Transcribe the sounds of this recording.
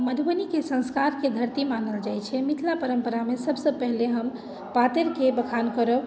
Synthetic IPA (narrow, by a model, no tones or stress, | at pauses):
məd̪ʱbənikesə̃nskaɾked̪ʱəɾt̪imanəld͡ʒajt͡ʃʰɛmit̪ʰlapəɾəmpəɾamesəbʱsəpəɦleɦəm | pat̪eɾkebəkʰankəɾə